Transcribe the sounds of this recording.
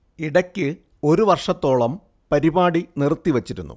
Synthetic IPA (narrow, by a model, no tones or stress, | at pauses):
iɽɐkʲːɨ | o̞ɾuʋɐrʂɐt̪ːo̞ːɭɐm | pɐɾibaːɽinirt̪ːiʋɐt͡ɕːiɾunːṵ